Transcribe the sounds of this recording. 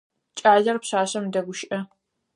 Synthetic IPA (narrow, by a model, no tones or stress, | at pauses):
t͡ʃʼaːɮɐrpɕaːɕɐmdɐɡʷʊʃʔɐ